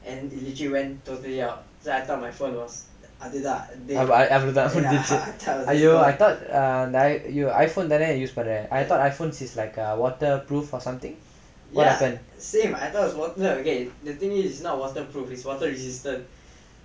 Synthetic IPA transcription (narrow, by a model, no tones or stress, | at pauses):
ʔɛ̃nilitəliwɛ̃ntːotəliaʊt̚ | soajt̪ɔt̚majfõnwɔs | ʔadiatdeaʔavludafõndisitɛtɔajjuajt̪ɔt̚adajjua̰jfõndɛdɛ̃nɛjusbadɛajt̪ɔtajfõnsislaɪkawɔtəpɹufɔsãmt̪ĩŋ | jwɔt̚hɛpə̃nsẽma̰jt̪ɔt̚wɔswɔtəəəɡedət̪ĩŋuisnɔt̚wɔtəpɹufitswɔtəɹisistə̃n